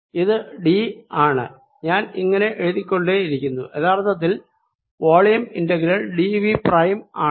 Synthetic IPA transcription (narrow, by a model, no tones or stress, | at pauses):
iðɨɖiaːɳɨ | ɲaːniŋːɐne̞ʔeɻuðikʲːo̞ɳɖeiɾikʲːunːueðaːrt̪ʰːɐt̪̬ːil | ʋoːɭjɐmindɐɡɾɐɭɖiʋiprɐjmaːɨ